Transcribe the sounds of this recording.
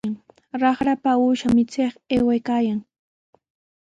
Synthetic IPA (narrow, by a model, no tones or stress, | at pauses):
ŋ | ɾɑχɾapauːʃamɪt͡seχeːwajkaːjaŋ